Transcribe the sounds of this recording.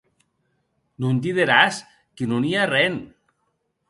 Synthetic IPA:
nunt̪̬iðeɾas | kinuniarɛn

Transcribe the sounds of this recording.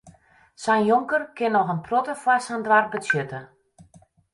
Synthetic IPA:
sɛjnjoŋkərkɪnɔxənprɔtəfwarsandʋarbəsjøtə

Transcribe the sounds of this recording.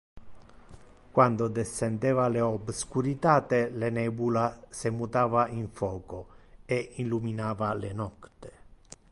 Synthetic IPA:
kwand̪od̪ɛsːɛnd̪ɛːvaleɔbskuɾit̪aːt̪elenɛːbulasemut̪aːvaiɱfɔːkoɛinluminaːvalenɔkt̪e̥

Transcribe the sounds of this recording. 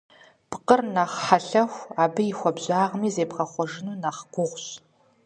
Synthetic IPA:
pqərnaχħaɬɐxʷaːbɨixʷɔbʑaːʁmiːzeːpqɐχʷɔʐɪnuːnaχɡʷʊʁʷɕ

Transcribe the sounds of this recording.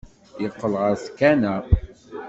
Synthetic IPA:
jəqːəlʁəɾskænæ

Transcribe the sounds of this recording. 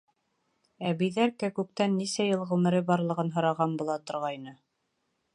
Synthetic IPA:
æβijðæɾkækʉk̚t̪ænːisæjɤlˠʁʉmɘ̆ɾɘbɑɾlˠɤ̆ʁɤnɦɤ̆ɾɑʁɑnbulˠɑt̪ŏɾʁɑjnɤ

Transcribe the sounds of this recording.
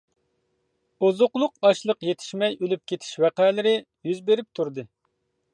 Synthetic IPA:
ozʊqlˠʊqɑʃlˠəqjet̪ʰɪ̥ʃmɛjølyp̚kʲʰet̪ʰɪ̥ʃwæqælɪɾɪ | jyzbeɾɪp̚t̪ʰuɾd̪ɨ

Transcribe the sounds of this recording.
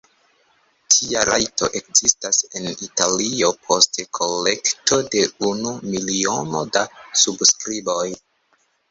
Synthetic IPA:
tʰiaɾa̰jto̞̰ʔe̞kzistase̞nitalio̞pʰo̞stekʰo̞lːe̞kto̞de̞unumilio̞no̞dasubskɾibo̞j

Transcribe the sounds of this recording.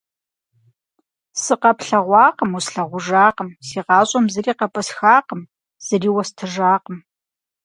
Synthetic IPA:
sɨqɐpɬɐʁʷɑːqəmusɬɐʁʷʊʒaːqəmsiːqɑːɕʼɐmzɨriːqɐpʼɐsxaːqəm | z̥ɐriːwɐstʰɨʒaːqəm

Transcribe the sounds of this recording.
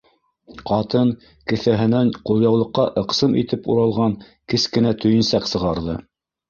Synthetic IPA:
qɑt̪ɤŋ | kɘ̆θæɦɘ̆næɴqulˠjɑwlˠɤ̆qːɑʔɤ̆qsɤmḭt̪ɘpṵɾɑlˠʁɑŋ | kɘskɘ̆næt̪ʰɵ̆jɘ̆nsɑqsɤ̆ʁɑɾðɤ

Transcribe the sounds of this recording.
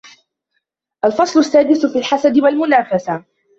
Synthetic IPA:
ʔalfɑsˤlʊsːaːd̪ɪsfiːlħasad̪ɪwalmʊnaːfasa

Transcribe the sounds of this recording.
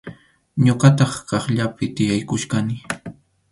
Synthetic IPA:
ɲoɢɑt̪ɑχkɑχʎapɪt̪ɪjajkʊʃɢanɪ

